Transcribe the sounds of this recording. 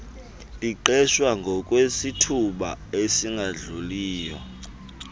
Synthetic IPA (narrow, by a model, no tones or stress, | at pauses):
tʼiǃɛʃwaŋɡʱɔkʼwesitʰuɓaesiŋɡʱaɮuliːjɔ̰